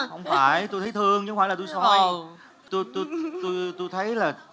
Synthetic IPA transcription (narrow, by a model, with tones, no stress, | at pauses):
hə˧wŋ͡mfaː˧˩jt̪u˧jt̪ʰə˨˦jt̪ʰɨ˧əŋt͡ɕɨ˧˦ŋ͡mfaː˧˩lːa˨˩˧jsɔ˧ | t̪u˧jt̪u˧t̪o˧jt̪u˧jt̪ʰə˨˦jlaː˨˩